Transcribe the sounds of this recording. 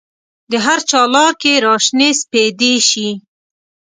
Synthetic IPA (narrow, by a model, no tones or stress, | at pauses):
d̪əɦaɾt͡ʃɑlɑɾkeɾɑʃnesped̪eʃi